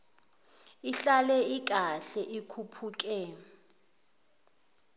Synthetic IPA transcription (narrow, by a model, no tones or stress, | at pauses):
iɬalɛik̬ʼaɬɛʔikʰupʰuːk̬ʼɛ